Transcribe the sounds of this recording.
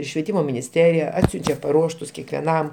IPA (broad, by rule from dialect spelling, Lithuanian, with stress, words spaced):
ʃʲʋʲiɛˈtʲiːmoː mʲɪnʲɪsʲˈtʲæːrʲɪjɛ ˈɑːtʲsʲʊnʲt͡ʃʲɛ pɐˈruɔʃtʊs kʲɛkʋʲɛˈnɐm